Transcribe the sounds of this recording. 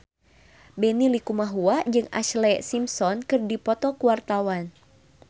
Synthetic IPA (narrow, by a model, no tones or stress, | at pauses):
bɛnilikumaɦuad͡ʒɨŋa̰ʃlɛsimsɔnkɨrdipɔt̪ɔkuwart̪awan